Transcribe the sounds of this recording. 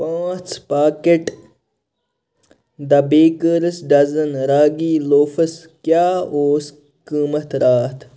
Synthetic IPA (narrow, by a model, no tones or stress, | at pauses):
pãːt͡spaːkeʈ | d̪ɐbeːkəɾəsɖɐzɐnɾaːɡiːloːfɐs | kjaːoːs | kiːmɐt̪ɾaːt̪ʰ